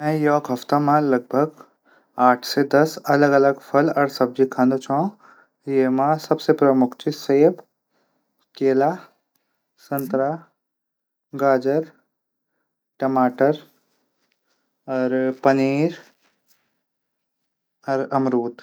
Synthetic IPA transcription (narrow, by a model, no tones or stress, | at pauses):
mɛ̃jɔːɡɦɐft̪amãlɐɡ̚bʱəɡ | aːʈʰsed̪ɐsɐləɡɐləɡpʰɐlɔːɾsɐb̚d͡ʒikʰãːnd̪ot͡ʃʰã | jemãsɐbsepɾɐmʊkʰt͡ʃiseːb | keːlaː | sɐnt̪ɾaː | ɡaːd͡ʒəɾ | ʈɐmaːʈəɾ | ɔːɾpɐniːɾ | ɔɾɐmɾuːt̪